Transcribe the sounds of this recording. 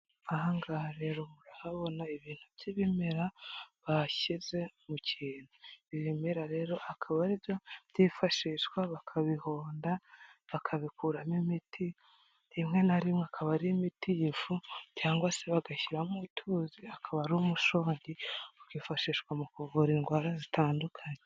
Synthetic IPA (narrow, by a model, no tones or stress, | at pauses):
ahaŋɡaɾe̞ɾo̞muɾahaβo̞naiβiːn̥huβjiβimeɾaβaçize̞muciːnuiβimeɾaɾe̞ɾo̞ʔakʰaβaɾijajifaʃiːʃwaβakʰaβiho̞ːndaβakʰaβikuːɾamimitʰi | imŋe̞naɾimŋeakʰaβaɾiimitijfucaːŋɡwase̞βaɡaçiɾamutʰuːziakʰaβaɾiumuʃo̞ːɲɟiβakifaʃiːʃkwamukuvuɾiŋɡwaːɾazitʰaːndukʰaɲe